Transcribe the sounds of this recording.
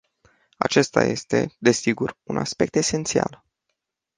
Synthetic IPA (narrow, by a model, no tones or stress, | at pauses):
at͡ʃe̞st̪a̰je̞̰st̪e̞̰d̪e̞siɡurunaspe̞k̚t̪e̞se̞nt̪sia̰l